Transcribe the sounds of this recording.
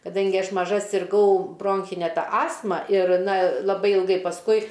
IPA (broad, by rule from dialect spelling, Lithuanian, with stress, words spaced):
kɐˈdɐŋʲɡʲɪ ˈɐʃ mɐˈʒɐ sʲɪrˈɡɐʊ ˈbroːŋʲxʲɪnʲɛ ˈtɐ ˈɑːstmɐ ɪr ˈnɐ lˠɐˈbɐɪ ɪlˠˈɡɐɪ pɐsˈkʊɪ